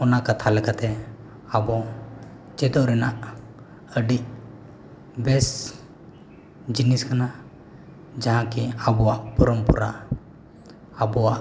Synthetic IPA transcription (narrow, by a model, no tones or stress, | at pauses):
ɔnakat̪ʰalɛkat̪ɛ | abɔ | t͡ʃɛd̪ɔʔɾɛnaʔ | əɖiʔ | bɛs | d͡ʒiniskana | d͡ʒaɦãkiabɔwaʔpɔɾɔmpṵɾa | bɔwaʔ